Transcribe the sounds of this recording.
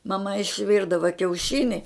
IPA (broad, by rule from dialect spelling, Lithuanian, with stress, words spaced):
mɐˈmɐ ɪʃʲˈʋʲɪrdɐʋɐ kʲɛʊˈʃʲɪnʲɪ